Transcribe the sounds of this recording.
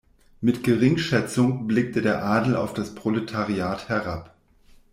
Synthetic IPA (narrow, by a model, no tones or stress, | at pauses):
mɪtɡ̥əʁɪŋʃɛt͡sʊŋblɪk̚tədeːɐʔaːdl̩a̰ʊfd̥aspʁ̥olətʰaʁiaːthɛɐʁap